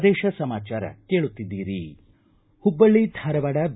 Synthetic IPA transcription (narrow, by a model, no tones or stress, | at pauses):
d̪eːʃɐsɐmaːt͡ʃaːɾɐ̰keːɭut̪ːid̪ːiːɾi | hubːɐɭːid̪ʱɐɾɐʋɐɽɐb